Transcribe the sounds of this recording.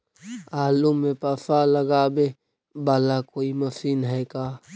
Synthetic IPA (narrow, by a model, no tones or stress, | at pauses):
aːlumːẽpafaləɡaːbe | baːlakoːimɐfiːnɦɛːkaː